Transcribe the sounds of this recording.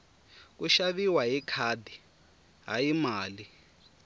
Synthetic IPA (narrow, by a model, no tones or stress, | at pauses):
k̬uʃaβiwaɦikʰadi | ɦajimaːli